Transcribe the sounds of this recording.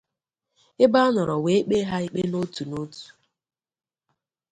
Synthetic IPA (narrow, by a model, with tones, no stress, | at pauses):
ɪ˦ba˦nɔ˨ɾɔ˨we˨e˦k͡pe˦ɦa˦i˦k͡pe˦no˦tu˨no˦tu̥˨